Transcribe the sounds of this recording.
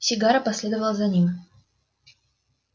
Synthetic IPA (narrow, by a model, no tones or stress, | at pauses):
sʲɪɡaɾəpɐsʲlʲe̞d̪əvəlˠzɐnʲim